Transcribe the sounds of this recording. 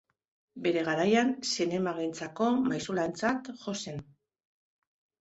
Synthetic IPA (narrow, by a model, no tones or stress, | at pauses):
be̞ɾe̞ɣ̞aɾajansine̞maɣent͡sako̞majsulaent͡sat̪ʝo̞se̞n